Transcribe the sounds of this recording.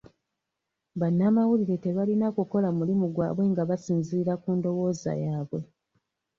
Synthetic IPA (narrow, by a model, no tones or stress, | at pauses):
βanːaːmawuliɾe̞te̞βalinakuko̞lamulimuɡwa̰ːβwe̞ŋɡaβasiːnziɾakuːndo̞wo̞ːza̰jaːβwe̞